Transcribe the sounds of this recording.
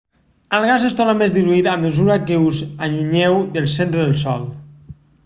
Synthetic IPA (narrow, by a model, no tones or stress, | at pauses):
əlˠɣazest̪ɔnamezd̪iluit̪aməzuɾakəuzaʎuɲewd̪əlˠsent̪ɾəðəlˠsɔlˠ